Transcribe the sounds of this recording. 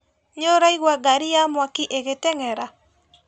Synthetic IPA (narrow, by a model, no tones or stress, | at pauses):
ɲoɾaiɣwaɡaɾijamwakiʔeɣetɛŋɛɾa